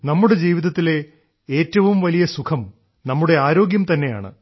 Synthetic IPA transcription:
nɐmːuɽe̞d͡ʑiːʋiðɐt̪ːile̞ | eːtːɐʋumʋɐlijɐsukʰɐm | nɐmːuɽe̞aːɾo̞ːɡjɐmt̪ɐnːe̞ja̰ːɳɨ̰

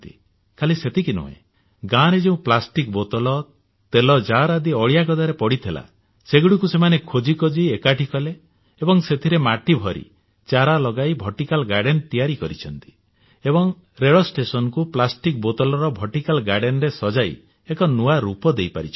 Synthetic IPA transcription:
t̪i | kʰaliset̪ʰikinṵɦḛ̃ | ɡaɾed͡ʒeũplasʈik̚bot̪ɔlɔ | t̪elɔd͡ʒaɾad̪iɔɭjakɔd̪aɾepɔɽit̪ʰila̰ | seɡuɽikusemanekʰod͡ʒikɔd͡ʒiekaʈʰikɔle | ebɔŋset̪ʰiɾemaʈibʱɔɾḭ | t͡ʃaɾalɔɡajbʱɔʈikalɡaɖent̪ijaɾikɔɾit͡ʃʰɔnt̪i̥ | ebɔŋ | ɾeɭɔsʈesɔnɔkuplasʈik̚bot̪ɔlɔɾɔbʱɔʈikalɡaɖenɾesɔd͡ʒaj̰ | ekɔnuaɾupɔd̪ejpa̰ɾit͡ʃʰ

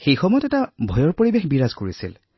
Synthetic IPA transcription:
xejxɔmɔjɔtɛtabʱɔjɔɹpoɹibexbiɹazkoɹisḭl

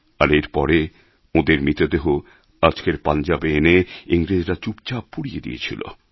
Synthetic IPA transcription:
aɾeɾpɔɾe | od̪eɾmit̪od̪eɦo | ad͡ʑkeɾpand͡ʑabeeneiŋɾed͡ʑɾat͡ɕup̚t͡ɕappːuɽijed̪ḭḛt͡ɕʰḭlo̰

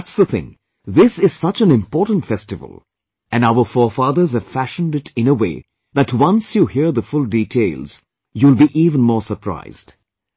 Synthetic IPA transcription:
tsðəθɪ̰̃ŋ | ðɪsɪz̥sʌt͡ʃɨ̃nɪ̃mpɔːtn̩tfɛstɨvə̰l̩ˠ | ɨ̃naʊə˞fɔːfɑðə˞zɨv̥fæʃə̃n̩dɪɾɪ̃nəwḛɪ | ðætwʌ̃nsjuhiɹðəfʊlˠditʰeɪlˠz̥ | julˠbiʔiːvə̃n̩mɔːɹsə˞pʰɹ̥a̰ɪz̥d̥

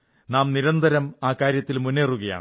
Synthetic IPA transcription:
naːmniɾɐnd̪ʱɐɾɐmaːkaːɾjɐt̪ːilmunːeːruɣɐja̰ːɳ

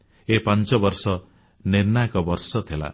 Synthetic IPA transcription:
epant͡ʃɔbɔɾsɔ | niɾnajkɔbɔɾsɔt̪ʰela̰

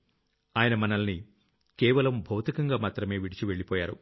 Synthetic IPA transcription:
aːjɐnɐmɐnɐlɐni | kɛːʋɐlɐmbʱɐwt̪ikɐŋɡaːmaːt̪ɾɐme̞ːʋiɽit͡ʃiʋe̞ɭːipɔːjaːɾu

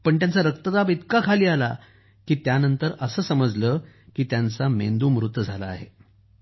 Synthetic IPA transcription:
pəɳt̪jant͡saɾək̚t̪əd̪abit̪kakʰaliːala | kiːt̪janənt̪əɾəsəːsəməd͡zləːkiːt̪jant͡samḛnd̪uːmɾut̪ːəd͡zʱalaaɦḛ

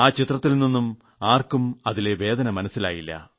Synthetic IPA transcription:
aːt͡ɕit̪rɐt̪ːilnːinːum | aːrkumɐðile̞ʋe̞ːd̪ɐnɐmɐnɐsːila̰ːjilːɐ̰

